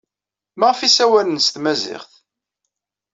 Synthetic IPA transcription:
mæʁfisæwælənst̪mæzɪ̰χθ

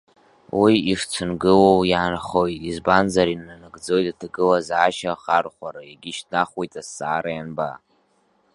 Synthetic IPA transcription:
wiiʂt͡sʷʰɨnɡɨlowjaːnχo̞jtʼizbanzaɾinːanɨɡd͡zo̞jtʼatʰaɡɨlazʕaʃaχarχʷaɾaiɡʲɪʃtʰnaχwejtʼasːaːɾajanba̰

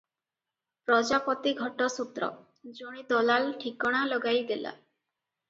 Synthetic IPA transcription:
pɾɔd͡ʒapɔt̪iɡʱɔʈɔsut̪ɾɔ̰ | d͡ʒoɽ̃id̪ɔlalʈʰikɔɽ̃alɔɡajd̪ela̰

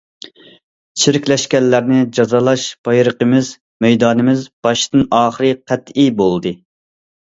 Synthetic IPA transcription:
t͡ʃʰiɾɪkʲlɛʃkʲɛlːæɾnɪd͡ʒɑzɑlˠɑʃb̥ɑjɾəqəmɪz | mɛjd̪ɑːnɨmɪzb̥ɑʃt̪ɨnɑːχəɾɨqʰæt̪ibolˠd̪ɨ

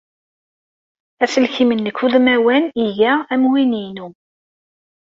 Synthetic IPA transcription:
æsəlçimənːəkːuðmæwæniʝææmwininu

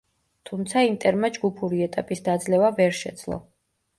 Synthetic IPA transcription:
t̪ʰumt̪sʰaimt̪ʼɛɾmad͡ʒɡupʰuɾiɛt̪ʼapʼisd̪ad̪zlɛvavɛɾʃɛ̰d̪z̥lˠɔ̰

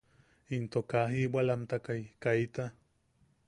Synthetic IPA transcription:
int̪okaɦiwalamt̪akajkait̪a

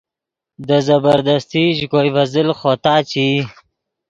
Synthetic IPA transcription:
d̪əzabəɾd̪ast̪iʒɡojvazɪlxot̪ɑːt͡ʃi

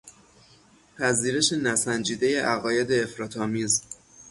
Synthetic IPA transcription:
pʰæziːɾe̞ʃe̞næsænd͡ʒiːd̪eje̞ʔæɣɒːje̞d̪e̞ːfɾɒːt̪ʰɒːmiːz

